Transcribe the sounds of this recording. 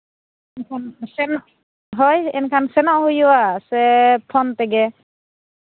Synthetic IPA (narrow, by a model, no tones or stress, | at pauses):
ɛnkʰansɛnʔ | ɦɔjɛ̰nkʰansɛnɔʔhujuwasɛpʰɔnt̪ɛɡɛ